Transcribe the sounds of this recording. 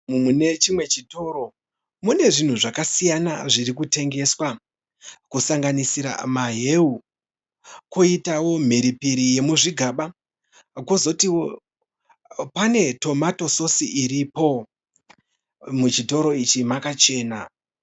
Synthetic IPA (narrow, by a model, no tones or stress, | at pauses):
mumune̞t͡ʃimwe̞t͡ʃito̞ːɾo̞ | mune̞ʐin̤uʐakasijana̰ʐiɾikute̞ŋɡe̞swa | kusaŋɡanisiɾa̰maɦeu | kuitawo̞m̤eɾipiɾije̞muʐiɡʱaɓa | kozo̞tiwo | pane̞to̞mato̞so̞siːɾipo̞ | mut͡ʃito̞ɾo̞it͡ʃimakat͡ʃe̞ːna